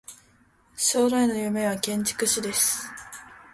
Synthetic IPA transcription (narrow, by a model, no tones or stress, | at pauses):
ɕo̞ːɾaino̞jɯme̞β̞akẽ̞ɲ̟t͡ɕi̥kɯ̟ɕid̪e̞sɨ̥